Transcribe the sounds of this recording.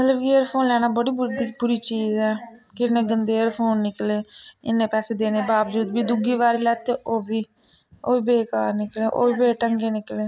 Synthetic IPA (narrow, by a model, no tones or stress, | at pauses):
mət̪ləbkeəɾpʰoːnlɛːnaːbəɽiːbʊd̪ibʊɾiːt͡ʃiːzɛːkɪnẽːɡənd̪eːɾpʰoːnːɪkleːɪ̰nːẽːpɛːseːd̪eːneːbaːbd͡ʒuːd̪biːd̪ʊɡiːʋaːɾiːlɛːt̪eːʔoːbiː | oːiːbeːkaːɾnɪkleːʔo̰ːiːbeːʈəŋɡeːnɪkleː